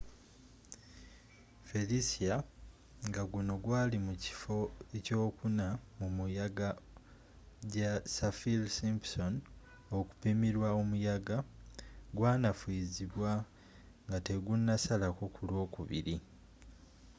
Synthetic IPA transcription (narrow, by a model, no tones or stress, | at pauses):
felisia | ŋɡaɡuno̞ɡwaːlimuci̥fo̞eco̞ːkunamumujaɡa | ɟasafilsimpson | o̞ku̥pimiɾwaomujaɡa | ɡwaːnafwiːziβwa | ŋɡate̞ɡunːasalako̞kulwo̞ːkṵβḭɾi